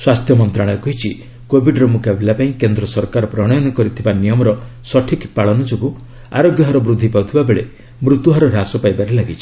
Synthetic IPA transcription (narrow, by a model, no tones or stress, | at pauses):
swast̪ʰjɔmɔnt̪ɾaɭ̃ɔɔkɔɦit͡ʃʰi | kobʱiɖɾɔmukʰabelapaĩkend̪ɾɔsɔɾkaɾɔpɾɔɽ̃ɔjɔnɔkɔɾit̪ʰibanijɔmɔɾɔsɔʈʰikpaɭɔnɔd͡ʒɔɡu | a̰ɾoɡjɔɦɔɾɔbɾud̪ʱːipawt̪ʰibabeɭe | mɾut̪uɦɔɾɔɾasɔpajbaɾelaɡit͡ʃʰi̥